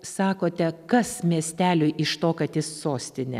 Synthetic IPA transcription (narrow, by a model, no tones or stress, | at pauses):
sɑːkoːt̪ʲɛkɐsmʲiɛsʲt̪ʲæːlʲʊɪʔɪʃt̪oːkɐt̪jɪsːoːsʲt̪ʲɪnʲɛ̰